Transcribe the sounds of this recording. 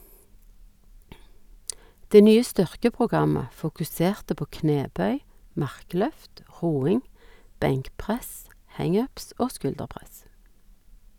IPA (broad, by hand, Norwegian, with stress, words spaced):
ˈdeː ˈnyːə ˈstʏʁkəpʁʊˌɡɑmə fʊkʉˈseːʁtə ˈpoː ˈkneːˌbœʏ ˈmɑʁˌklœft ˈʁuːɪŋ ˈbɛŋkˌpʁɛs ˈhæŋ ˈœps ˈoː ˈskʉldəˌpʁɛs